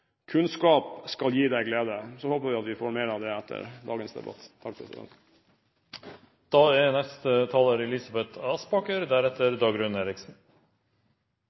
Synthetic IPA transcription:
kʰʉnskɑːpskɑljiːd̪æɪɡleːd̪əsɔhoːpəʋɪɑt̪ʋɪfoːɾmeːɾɑʋd̪ɛɛt̪ʰːə̰ɾd̪ɑ̰ːɡənsd̪ɛ̰bɑ̰t̪t̪ʰɑk̚pʰɾɛ̰sɪ̰d̪ɛ̰nt̪ | d̪̥ɑːɛnɛst̪ət̪ʰɑːləɾɛlɪsɑbɛt̪ʰɑːspɑːkəɾd̪æɾɛt̪əɾd̪ɑːɡɾʉneːɾɪksn̩

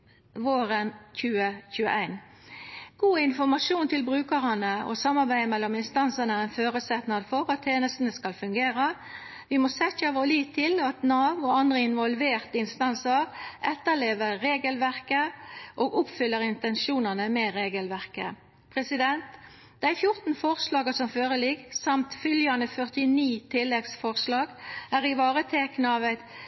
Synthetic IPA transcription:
ʋoːɾənçʉːəçʉːə̰ʔæɪn | ɡ̥uːɪnfɔmɑʂuːnt̪ʰɪlbʁʉːkəʁənəɔ̰sɑmːɑʁbæɪmɛlːɔmɪnst̪ɑnsənəæʁæɪnføːɾəsɛt̪nɑd̪fɔʁɑt̪ʰːeːnəst̪ənəskɑlfʉŋɡeːɾɑ | ʋɪmɔsɛçəʋoːliːt̪ʰɪlɑt̪nɑːʋɔɑnd̪ʁəɪnʋɔlʋeːʁt̪əɪnst̪ɑnsəʁʔɛt̪ːəleːʋəːeːɡəlʋæʁkəʔoːɡʊpfʏlːəʁɪnt̪ɛnʃuːnɑnəmɛʁeːɡəlʋæʁkə | pʰʁɛsɪd̪ɛnt̪ | d̪̥æɪfjʊʁt̪n̩fɔʁslɑːɡəsɔmføːʁəlɪɡsɑmt̪fʏljɑnəfœʁt̪ɪniːt̪ʰɪlːɛɡsfɔʁslɑːɡæːʁɪʋɑːʁət̪ʰeknəɑʋɛt̪

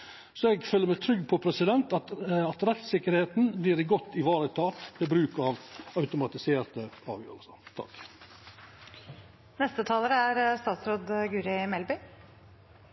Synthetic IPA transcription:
sɔɛɡføːlːəmæt̪ʰɾʏɡːpʰɔpʰɾɛsɪd̪ɛnt̪ɑt̪ɑt̪ɾɛt̪sɪkːəɾheːt̪nbliːɾɪɡɔt̪ːɪʋɑːɾət̪ʰɑːt̪ʋɛbɾʉːkɑʋɑʉt̪ʊmɑt̪ɪseːɾt̪əɑ̰ːʋjø̰ːɾəlsət̪ʰɑ̰k | nɛst̪ət̪ʰɑːləɾəæɾst̪ɑːt̪sɾoːd̪ɡʉːɾɪmɛlbʏ

